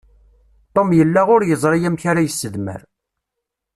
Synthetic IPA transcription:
t̪ˤːomjəlːaʁʊɾjəzˤɾˤijæmçaɾajəsːəðmə̰ɾ

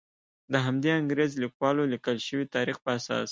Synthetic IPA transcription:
d̪əɦamd̪eaŋɡɾezlikwɑlolikəlʃəwit̪ɑɾixpəasɑ̰s

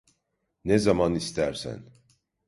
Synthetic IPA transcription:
nezɑmɑnist̪ʰæɾsæ̰n

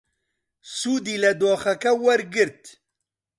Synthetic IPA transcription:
suːd̪iːlɐd̪oːxɐkɐwɐɾɡɨɾt̪

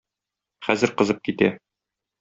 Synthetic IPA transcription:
χæzɘ̆ɾqɤ̆zɤp̚kit̪æ

